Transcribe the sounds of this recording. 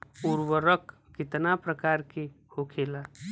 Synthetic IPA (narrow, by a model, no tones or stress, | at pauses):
ʊɾwəɾəkː | ɪt̪napɾəkaːɾkehokʰeːla